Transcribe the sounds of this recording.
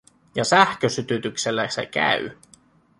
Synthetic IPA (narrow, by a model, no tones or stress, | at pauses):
jɑsæhkøsyt̪yt̪ykse̞lːæsḛkæ̰y̰